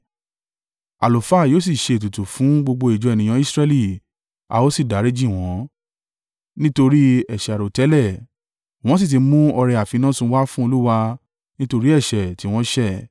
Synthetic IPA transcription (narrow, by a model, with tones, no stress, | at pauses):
a̰˨lo˨fa˦˨joː˦s̬i˦˨ʃe˧˨tu˨tu˨fũ˨˦ɡ͡bo˧ɡ͡bo˧i˨d͡ʒɔ˨˧ɛ˨nĩ˨j̃ã˧˦i˦sɾɛ˧li˦˨ | a̰˧o˦si˦˨da˨˦ɾi˦d͡ʒi˦˨w̃ɔ̃˨˦ | nĩ˦to˧ɾi˦ɛ˦˨ʃɛ˨a˨ɾo˨tɛ˨˦lɛ˦˨ | w̃ɔ̃˦s̬i˦˨t̬i˨˧mũ˦ɔ˧ɾɛ˧a˨fi˨˧nã˦˨sũ˧˦wa˦fũ˦o˧lu˦wa˧ | nĩ˦to˧ɾi˦ɛ˦˨ʃɛ˨ti˨˦w̃ɔ̃˦ʃɛ˦˨